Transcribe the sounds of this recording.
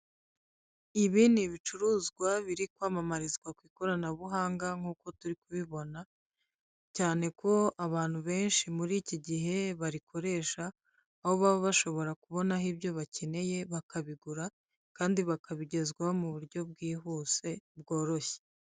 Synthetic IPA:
iβiːniβit͡ʃuɾuːzɡwaβiɾikwaːmamaɾizɡwakwiːko̞ɾanaβuɦaːŋɡaŋ̥uːko̞tuɾikuβiβo̞na | caːne̞kʰo̞aβaːn̥huβe̞ːnʃimuɾiːciɟiɦe̞βaɾikʰo̞ɾe̞ːʃaː | ho̞βaβoβaʃo̞βo̞ɾakuβo̞naɦibɟo̞βace̞ne̞je̞βakaβiɡuɾa | kaːndiβakʰaβiɟe̞zɡwaomuβuɾɟo̞b̚ɡiːɦuːse̞bɡo̞ːɾo̞çe̥

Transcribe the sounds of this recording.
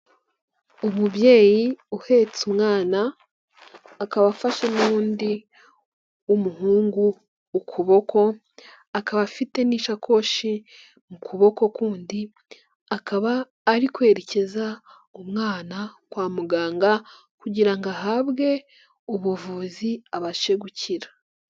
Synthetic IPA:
umuβje̞ːjiuhe̞t͡sumŋaːna | kaβafaʃenuːndi | umuhuːŋɡuː | kʰuβo̞kʰo̞ | akaβafite̞niːʃakʰo̞ʃi | mukʰuβo̞ko̞kuːndi | akaβaː | ɾikwe̞ːɾece̞za | umŋaːnakwaːmuɡaːŋɡa | kuɟiɾaŋɡaɦaβɡe̞ | uβuvuziaβaʃe̞ɡucʰiɾḁ

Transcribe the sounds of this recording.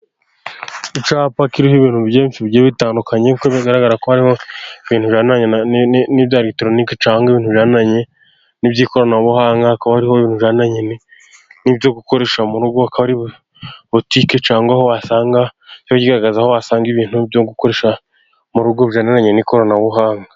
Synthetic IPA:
it͡ʃaːpakiɾihiβiːn̥uβjeːnt͡ʃiβɟeːβitaːndukaɲekoβiɡaɾaɡaɾakohaɾiho̞iβiːnhuβjaːnaɲenibjaɾitoɾoniket͡ʃaːŋɡaiβiːnhuβʒaːnaɲe̞ | nibɟiːko̞ɾonaβohaːŋɡakaβahaɾihoiβiːnhuβʒaːnaɲene | nibjo̞ɡuko̞ɾe̞ʃamuɾuɡoakaβaɾiβ | βotiket͡ʃaːŋɡwaho̞βasaːŋɡacoaɟiɡaɾaɡazaho̞βasaːŋɡiβiːn̥ubjoɡuko̞ɾe̞ːʃa | muɾuɡoβʒaːnanaɲeniko̞ɾonaβuɦaːŋɡa

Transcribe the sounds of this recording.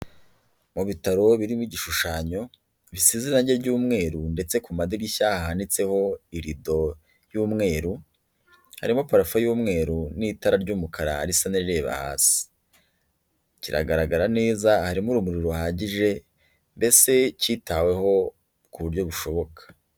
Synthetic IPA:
muβitaɾo̞βiɾimiɟiʃuʃaːɲo̞ | βisiziɾnaɟeβɟuːmŋe̞ːɾunde̞t͡se̞kumadiɡiʃaːhahanit͡se̞ho̞iɾido̞ | juːmŋe̞ːɾu | ha̰ɾimo̞paɾafajuːmŋe̞ːɾunitaɾaɾɟuːmukʰaɾahaɾisaniɾiɾe̞ːβa̰ha̰ːsi̥ | ciɾa̰ɡaɾaɡaɾane̞ːzahaɾimuɾumuɾiɾuhaːɟiʒe̞ | mbe̞se̞citawe̞ho̞ | kuβuɾɟo̞βuʃo̞βo̞kʰḁ

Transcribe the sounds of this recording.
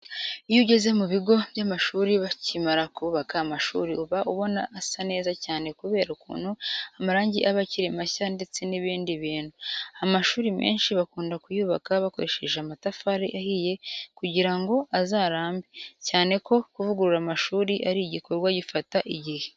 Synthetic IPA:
ijuɟe̞ze̞muβiɡo̞βjamaʃuːɾiβacimaɾakuβakaːmaʃṵːɾiuβaʔuβo̞naʔːsane̞ːzacaːne̞kuβe̞ːɾaukṵːn̥huamaɾaːɲɟiʔaβaciɾimaçande̞t͡se̞niβiːndiβiːn̥huamaʃuːɾimḛːnʃiβakuːndakujuːβakaβako̞̰ɾeʃe̞ʒeamatafaɾiʔahije̞kuɟiɾaŋɡo̞ʔazaːɾaːmbecaːne̞ko̞kuvuɡuɾuɾamaʃuːɾiʔaɾiːɟikʰo̞ɾɡwaɟifataʔiɟihe̞̥

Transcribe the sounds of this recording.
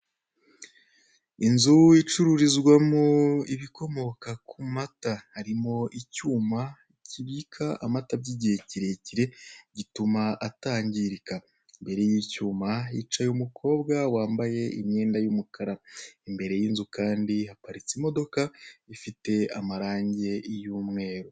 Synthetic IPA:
inzuit͡ʃuɾuɾizɡwamuiβiko̞mo̞kakumatahaɾimo̞ʔicuːmaiciβiːkʰaamatabɟiɟihe̞ciɾe̞ciɾe̞ɟitumaʔataːɲɟiɾika | imbe̞ɾe̞jiːcuːmait͡ʃajumukʰo̞ːbɡawaːmbaje̞ḭmɲe̞ːndajumukʰaɾaimbe̞ɾe̞jiːnzukaːndihapaɾit͡simo̞do̞kaifite̞amaɾaːɲɟe̞juːmŋe̞ːɾo

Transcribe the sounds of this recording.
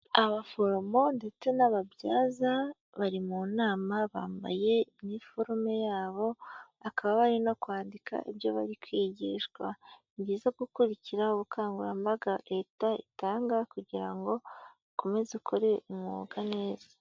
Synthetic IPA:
aβafo̞ɾo̞mo̞nde̞t͡senaβabjaːza | βaɾimunaːmaβa̰ːmba̰je̞imifo̞ɾome̞jaːβo̞ | akʰaβaβaɾino̞kwaːndikʰa̰ibjo̞βa̰ɾikwiːɟiːʃɡwa | mɟiːzaɡukuɾiciɾaoβukʰaːŋɡuɾa̰mbaɡaɾetaḭtaːŋɡakuɟiɾa̰ŋɡo̞ | kome̞zekʰoɾe̞umṵːɡane̞ːzḁ

